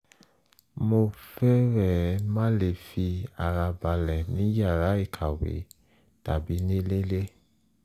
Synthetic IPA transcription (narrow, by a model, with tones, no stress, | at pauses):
mo˧fɛ˦ɾɛ˦˨mã˦le˧˨fi˧a˨ɾa˧ba˧lɛ˨nĩ˨˦ja˦˨ɾa˨˦i˦˨kʰa˨wḛ˨˦ | ta˨bi˨˦nẽ˦le˦le˦